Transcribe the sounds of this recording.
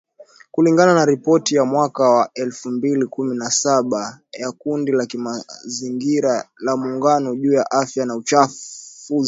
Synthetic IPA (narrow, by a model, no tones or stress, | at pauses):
kuliŋɡananaɾipɔtijamwakawaɛlfumbilikuminasaɓajakundilakimaziŋɡiɾalamuŋɡanɔʄuːjaʔafjanaut͡ʃafuzi